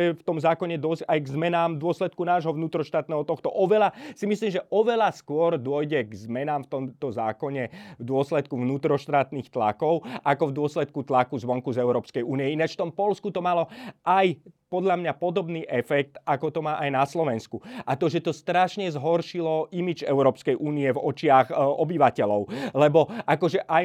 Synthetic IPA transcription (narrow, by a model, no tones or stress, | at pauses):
ɛft̪ɔmzaːkɔɲɛd̪ɔsajɡzmɛnaːmd̪ʊɔslɛt̪̚kunaːʒɦɔʋnuːt̪ɾɔʃt̪aːt̪̚nɛːɦɔt̪ɔxt̪ɔʔɔʋɛlasimisliːmʒɛʔɔʋɛlaskʊɔɾd̪ʊɔjɟɛɡzmɛnaːmft̪ɔmt̪ɔzaːkɔɲɛvd̪ʊɔslɛt̪̚kuʋnuːt̪ɾɔʃt̪aːt̪niːxt̪la̰kɔʊʔakɔvd̪ʊɔslɛt̪̚kut̪lakuzʋɔŋkuzɛʊɾɔːpskɛjʔuːniɛinaʃft̪ɔmpɔlskut̪ɔmalɔʔajpɔd̪ʎamɲapɔd̪ɔbniːʔɛfɛk̚t̪ʔakɔt̪ɔmaːʔajnaslɔʋɛnskuʔat̪ɔʒɛt̪ɔst̪ɾaʃɲɛzɦɔɾʃilɔʔimid͡ʒɛ̰ʊɾɔːpskɛjʔuːniɛvɔt͡ʃɪaɣɔbiʋacɛlɔʊlɛbɔʔakɔʒɛʔaj